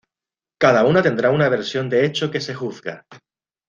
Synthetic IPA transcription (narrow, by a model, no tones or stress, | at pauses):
kað̞aunat̪e̞nd̪ɾaunaβ̞e̞ɾsjo̞nd̪e̞et͡ʃoke̞se̞xuθɡa